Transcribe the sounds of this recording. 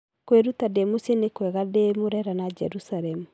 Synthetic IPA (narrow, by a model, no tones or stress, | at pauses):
kweɾutademosenekwɛɣademoɾɛɾanad͡ʒɛɾusaɾɛmu